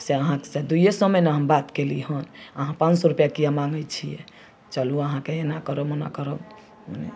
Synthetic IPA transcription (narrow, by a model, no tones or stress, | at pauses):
seəɦãksed̪ujesəməjneɦambat̪keliɦənəɦãpãnt͡ʃsɔɾupjakijamãŋɡəjt͡ʃʰijɛ̰ | t͡ʃaluəɦãkeenakəɾəmona̰kəɾə | mnḛ